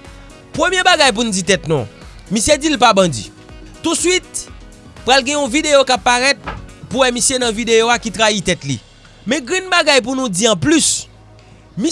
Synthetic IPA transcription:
pɣəmjebaɡajp̬unud͡zit̪ɛt̪nṵ̃misjed͡zilpabɐ̃d͡zḭ | t̪usɥit̪̚ | pɣalɡɛ̃ũvideokapːaɣɛt̪̚puwɛmisjenɐ̃vid̪eoakit̪ɣait̪ɛtlḭ | mɛ̃ɡɛ̃nbaɡajp̬unũd͡ziɐ̃plys | mi

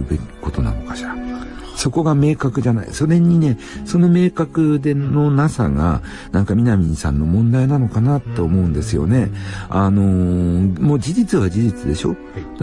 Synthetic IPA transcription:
ɯbe̞kʲi̥ko̞t̪o̞na̰no̞kḁɕi̥ɾa | so̞ko̞ɡame̞ːkakɯ̟ʑana̰ḭso̞ɾe̞ɲ̟ine̞ | so̞nome̞ːkakɯ̟d̪e̞no̞nasa̰ɡa̰ | nãŋkamʲinamʲĩnsã̰nːo̞mõ̞nd̪ainano̞kanat̪ːe̞ːmo̞ɯ̃nd̪e̞sɨjo̞̰ne̞ano̞ | mo̞ːd͡ʑiʑit͡sɨβad͡ʑiʑit͡sɨd̪e̞ɕo̞̰

